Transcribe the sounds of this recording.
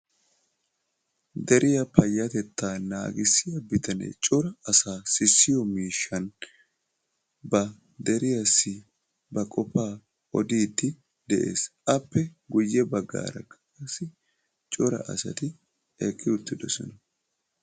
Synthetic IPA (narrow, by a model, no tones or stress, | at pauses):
d̪ɛɾʔɪjɐpɐjːɐt̪ɛt̪ːaːna̰ːɡɪsːɪjɐbɪt̪ɐnɛ̰t͡ʃʼɔɾɐɐsaːsɪsːɪjɔmiːʃːɐn | bɐ | d̪ɛɾɪjɐsːɪ | bɐkʼɔpːaː | ɔd̪iːd̪ːɪ | d̪ɛʔe̞̰ːsʔɐpːɛɡʊjːɛbɐɡːa̰ːɾɐ̰kːɐ̥kɐsːɪ | t͡ʃʼɔɾɐ̰ʔɐ̰sɐ̰t̪ɪ | ekʼːɪʊt̪ːɪd̪ɔsɔnɐ